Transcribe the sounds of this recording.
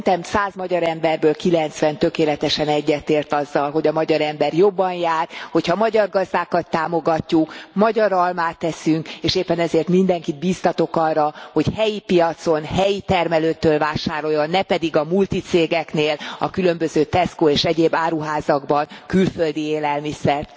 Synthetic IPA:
nt̪ɛmsaːzmɒɟɒɾɛmbɛrbøːlkilɛnt̪sʋɛnt̪ø̞keːlɛt̪ɛʃɛnɛɟːɛt̪eːrt̪ɒzːɒlɦo̞ɟɒmɒɟɒɾɛmbɛrjo̞bːɒnjaːrho̞chɒmɒɟɒrɡɒzd̪aːkɒt̪ːaːmo̞ɡɒcːukmɒɟɒɾɒlmaːt̪ːɛsyŋkeːʃeːpːɛnɛzeːrt̪mind̪ɛŋkid̪̚biːst̪ɒt̪o̞kɒrːɒho̞chɛjipijɒt̪so̞nhɛjit̪ɛrmɛløːt̪ːøːlvaːʃaːɾo̞jonːɛpɛd̪iɡɒmult̪it̪seːɡɛkneːlɒ̰kylø̞mbøzøːt̪ɛskoːeːʃɛɟeːbːaːɾuɦaːzɒɡbɒnkylføld̪ieːlɛlmisɛrt̪

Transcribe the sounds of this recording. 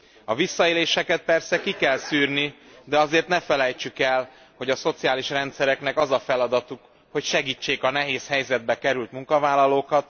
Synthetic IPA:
ɒvisːɒeːleːʃɛkɛt̪̚pɛrsɛkikɛlsyːrni | d̪ɛɒzeːrt̪nɛfɛlɛjt͡ʃykɛl | ho̞ɟɒso̞t̪sijaːliʃrɛnt̪sɛɾɛknɛkɒzɒfɛlɒd̪ɒt̪uk | ho̞cʃɛɡiːt͡ʃːeːkɒnɛɦeːshɛjzɛd̪̚bɛkɛɾylt̪muŋkɒvaːlːɒloːkɒt̪̚

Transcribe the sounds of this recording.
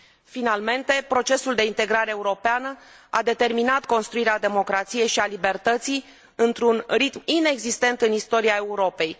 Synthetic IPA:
finalme̞nt̪e̞pɾo̞t͡ʃe̞suld̪e̞int̪e̞ɡɾaɾe̞ːuɾo̞peanəa̰d̪e̞t̪e̞rminat̪ko̞nst̪ɾuiɾead̪e̞mo̞kɾat̪sije̞jʃialibe̞rt̪ət̪sij | ɨnt̪ɾunrit̪mine̞ɡzist̪e̞nt̪ɨnist̪o̞ɾiae̞uɾo̞pe̞j

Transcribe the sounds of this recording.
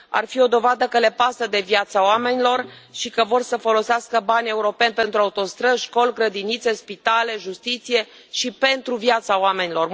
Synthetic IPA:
a̰rfio̞d̪o̞vad̪əkəle̞pasəd̪e̞vjat̪saoame̞nilo̞r | ʃikəvo̞rsəfo̞lo̞seaskəbanʲe̞uɾo̞pe̞nʲpe̞nt̪ɾuaut̪o̞st̪ɾəʃko̞lɡɾəd̪init̪se̞spit̪ale̞ʒust̪it̪sije̞ | ʃipe̞nt̪ɾuvjat̪sawame̞nilo̞r

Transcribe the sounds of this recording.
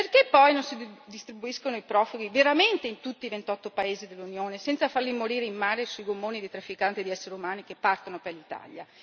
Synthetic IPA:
perkepːɔjnonsid̪ist̪ɾibuiskonoipɾɔfuɡiveɾament̪eint̪ut̪ːivent̪ɔt̪ːopaeːzid̪elːunjoːnesɛnsafarlimoɾiːɾeimːaːɾesuiɡomːoːnid̪it̪ɾafːikant̪id̪iɛsːeɾeumaːnikepːart̪onoperlit̪a̰ʎja

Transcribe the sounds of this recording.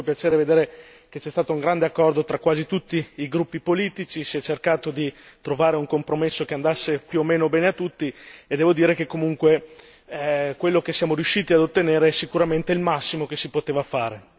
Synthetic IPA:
opjat͡ʃeːɾeved̪eːɾe | k̟et͡ʃːɛst̪aːt̪ouŋɡɾand̪eakːɔrd̪ot̪ɾakːwaːzit̪ut̪ːiːɡɾupːipoliːt̪it͡ʃisiɛt͡ʃːerkaːt̪od̪it̪ɾovaːɾeuŋkompɾomesːokeand̪asːepjuomːeːnobɛːneat̪ːut̪ːied̪ːɛːvod̪iːɾekekːomuŋkwe | kwelːokesjaːmoɾijuʃiːt̪iad̪ot̪ːeneːɾeɛsikuɾament̪eilmasːimokesipot̪eːvafaːɾe

